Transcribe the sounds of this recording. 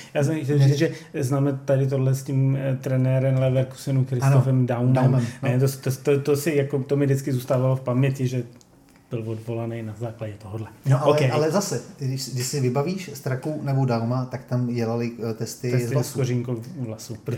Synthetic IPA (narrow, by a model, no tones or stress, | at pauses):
jaːs̬ɛmxcʲɛlmzit͡sʒɛznaːmɛt̪adɪt̪̬odlɛscimt̪ɾɛnɛɾɛmlɛvɛɾku̥sɪnukɾɪsnofɛmdawmɛmmnnɛt̪ost̪ot̪ot̪osɪjakot̪omɪdɪt͡skɪzuːst̪aːvalofpamɲɛcɪʒɛ | b̥ɪlvodvo̞lanɛjnazaːklaɟɛt̪oɦodlɛnoʔaokɛjalɛzasɛdɪʃdɪʃsɪvɪbaviːʃst̪ɾakunɛbodawmat̪akt̪amɟɛlalɪt̪ɛst̪ɪɛst̪lskoriŋkowvlasu